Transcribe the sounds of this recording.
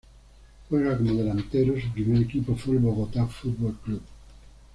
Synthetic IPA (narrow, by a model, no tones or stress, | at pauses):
xweɣakmoðelant̪eɾosupɾimeɾekipofulboɣot̪afut̪̚bolklup